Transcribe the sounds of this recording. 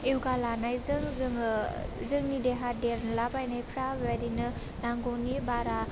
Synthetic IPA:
ewɡalanajzɯŋzɯŋzɯŋnideɦadeɾnlabajnajpʰɾawaɾinɯ | naŋɡɔnibaɾa

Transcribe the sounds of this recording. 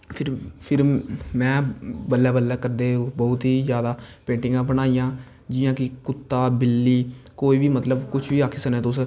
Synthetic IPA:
pʰɪɾpʰɪɾmɛ̃ːbəlːɛːbəlːaːkəɾd̪eːbɔːʊt̪ɦiːzjaːd̪aːpẽːɳʈɪŋɡãːbənaːijãː | d͡ʒɪjãːkɪkʊt̪ːaːbɪlːiːkoːiːʋiːmət̪ləbkʊt͡ʃʰʋiːaːkʰesəneːt̪ʊs

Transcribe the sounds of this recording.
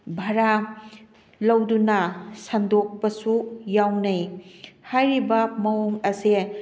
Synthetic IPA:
bʱɐɾa | lɐwdunɐsɐndok̚pɐsujawnɐjhajɾibɐmɐoŋɐse

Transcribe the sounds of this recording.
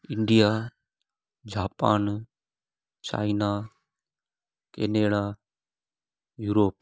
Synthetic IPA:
ɪɳɖijaː | d͡ʒaːpaːn | t͡ʃa̰ːinaː | keːneːɽaː | juːɾoːp̚

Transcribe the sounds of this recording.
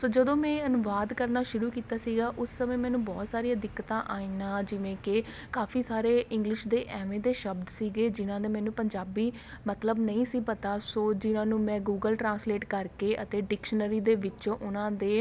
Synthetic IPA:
soːd͡ʒəd̪õːmɛ̃ːənʊʋaːd̪kəɾnaːʃʊɾuːkiːt̪aːsiːɡaːʔʊsːəmẽːmɛ̃ːnũːbɔːt̪saːɾiad̪ɪkːət̪ãːʔaːinaːd͡ʒɪʋẽːkɪ | kaːfʰiːsaːɾeːɪ̃ŋɡlɪʃd̪eːʔɛːʋẽːd̪eːʃəbd̪siːɡeːd͡ʒɪnãːd̪eːmɛ̃ːnũːpəɲd͡ʒaːbiː | mət̪ləbnəĩːsiːpət̪aːsoːd͡ʒɪnãːnũːmɛ̃ːɡuːɡəlʈɾãːnsleːʈkəɾkeːʔət̪eːɖɪkʃənəɾiːd̪eːʋɪt͡ʃõːʔʊnãːd̪eː

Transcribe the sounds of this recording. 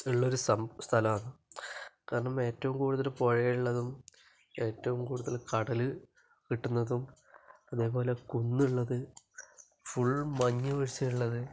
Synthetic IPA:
iɭːɐo̞ɾusɐst̪ʰɐlɐmɐnɨ | kaːɾɐɳɐme̞ːtːɐʋumkuːɽuðɐlpo̞ɻɐjiuɭːɐðum | e̞ːtːɐʋumkuːɽuðɐlkɐɽɐlɨ | kiʈːunːɐðum | ɐðe̞ːpo̞ːle̞kunːuɭːɐðɨ | fuɭmɐɲːuʋɐɻit͡ɕːɐjuɭːɐðɨ

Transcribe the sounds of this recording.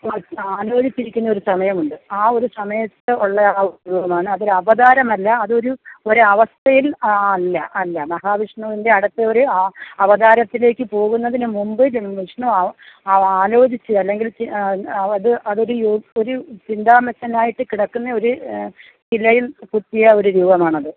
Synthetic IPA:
aːlo̞ːd͡ʑit͡ɕːiɾikʲːunːɐo̞ɾusɐmɐjɐmuɳɖɨaːo̞ɾusɐmɐjɐt̪ːɨuɭːɐaːuuʋɐmaːɳɨɐðoɾuɐʋɐd̪aːɾɐmɐlːɐːðo̞ɾuo̞ɾuɐʋɐst̪ʰɐjilɐlːɐʔɐlːɐmɐɦaːʋiʂɳɐʋinde̞ɐɽɐt̪ːeo̞ɾuɐʋɐd̪aːɾɐt̪ːile̞ːkːɨpo̞ːɣunːɐðinɨmumbɨlʋiʂɳɐ | aːlo̞ːd͡ʑit͡ɕːɨɐlːe̞ŋɡiliɐðɨʔɐðo̞ɾujoo̞ɾut͡ɕind̪aːmet̪ːɐnaːjiʈːɨkiɽɐkːunːɐo̞ɾu | t͡ɕilɐjilput̪ːijɐo̞ɾuɾuːbɐmaːɳɐðɨ

